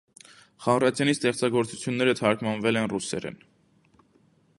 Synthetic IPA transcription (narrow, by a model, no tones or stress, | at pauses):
χɑmrɑt͡sʰjɑnist̪ɛχt͡sɑɡɔɾt͡su̥t͡sʰjunːɛɾət̪ʰɑɾkʰmɑnvɛlɛnrusɛ̰ɾɛ̰n